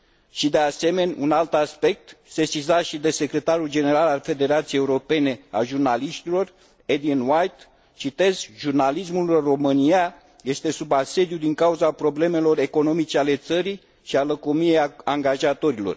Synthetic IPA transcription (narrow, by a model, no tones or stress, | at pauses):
ʃid̪e̞ase̞me̞nʲṵnalt̪aspe̞k̚t̪se̞sizaʃid̪e̞se̞kɾe̞t̪aɾuld͡ʒe̞ne̞ɾalalfe̞d̪e̞ɾat̪siejeuɾo̞pe̞ne̞a̰ʒurnaliʃt̪ilo̞r | ed̪inwajt̪ | t͡ʃit̪e̞zʒurnalis̬mulro̞mɨnia | je̞st̪e̞subase̞d̪jud̪iŋkauzapɾo̞ble̞me̞lo̞re̞ko̞no̞mit͡ʃe̞ale̞t̪səɾi | ʃialəkomije̞jaŋɡaʒat̪o̞ɾilo̞̰r